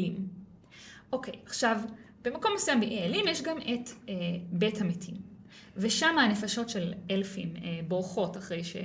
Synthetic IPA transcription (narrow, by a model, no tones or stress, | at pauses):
im | ʔo̞kʰe̞̰jaχʃav | b̥emako̞mnosujambeʔealimjeʃɡamʔetebethametʰim | veʃamanefaʃo̞tʃe̞lelfimeboʁχo̞taχʁe̞jʃḛ